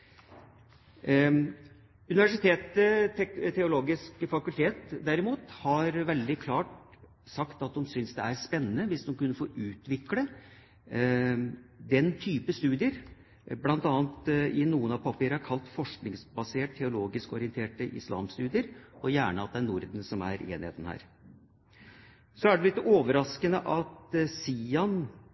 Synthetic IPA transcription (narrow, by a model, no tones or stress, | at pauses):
ʉnɪʋæʂɪt̪ʰeːt̪ | t̪ʰɛʊloːɡɪskəfɑkʉlt̪ʰeːt̪d̪æɾɪmuːt̪hɑɾʋɛld̪ɪkʰlɑːʈ | sɑkt̪ɑt̪̚d̪ɔmsʏnsd̪ɛæɾspɛnːənəʋɪsd̪ɔmkʉnːəfoːɾʉːt̪ʋɪklə | d̪ɛnt̪ʰyːpəst̪ʉːd̪ɪəɾ | blɑnt̪ɑːənt̪ɪnuːənɑʋpʰɑpiːɾəhæɾkʰɑlt̪fɔʂknɪŋsbɑseːʈt̪ʰɛʊloːɡɪskɔɾɪənt̪ʰeːʈəʔɪ̰slɑ̰ːmst̪ʉːd̪ɪəɾɔjæːɳəɑt̪̚d̪ɛæɳʊɾd̪n̩sɔmæ̰ɾḛːnɪhḛːt̪n̩hæ̰ːɾ | sɔæɖɛlɪt̪ːəʔoːʋəɾɑskənəʔɑt̪siːɑn